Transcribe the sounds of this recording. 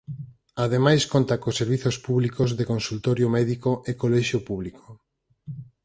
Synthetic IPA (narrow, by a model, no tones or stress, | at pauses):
aðemajskont̪akosːeɾβiθospuβlikozðekonsult̪oɾjomɛðikoʔekolɛʃjopuβlikʰo̥